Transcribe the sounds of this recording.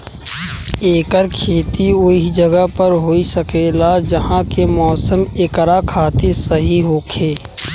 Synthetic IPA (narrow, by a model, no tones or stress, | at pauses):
eːkəɾkʰeːt̪iʊid͡ʒəɡəpəɾɦoːisəkeːlad͡ʒəɦãkemɔːsəmekɾakʰaːt̪ɪɾsəɦiɦoːkʰeː